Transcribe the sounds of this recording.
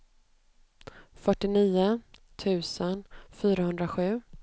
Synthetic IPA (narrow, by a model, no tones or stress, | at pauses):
fœʈːɪniːʊt̪ʰʉ̟ːsənfyːɾahɵnd̪ɾaɧʉ̟ː